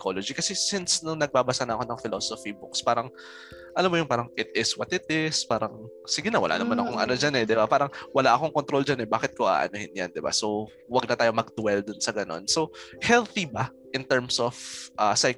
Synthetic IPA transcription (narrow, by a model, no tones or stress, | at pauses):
kʰolod͡ʒikɐsɛsɪnsnʊŋnɐɡ̚baːbɐsanɐɐko̞nɐŋfɪlo̞sofibʊkspaːɾɐŋ | ʔɐlamːojʊŋpaːɾɐŋʔɪt̪̚ɪswɐt̪ɪt̪̚ɪspaːɾɐŋ | sɪɡɪnɐwɐ̰la̰nɐmanɐkoŋʔɐ̰no̞d͡ʒanɛd̪ɪbapaːɾɐŋwɐlaʔɐko̞ŋkont̪ɾo̞ld͡ʒanɛbaːkɪt̪̚koʔa̰ːʔɐ̰nohɪnjand̪ɪba̰so | wɐɡ̚nɐt̪aːjo̞mɐɡ̚d̪ʊwɛld̪ʊnsɐɡɐno̞̰nsohɛlθibɐ | ʔɪnt̪ɛɹmsʔofʔasɐj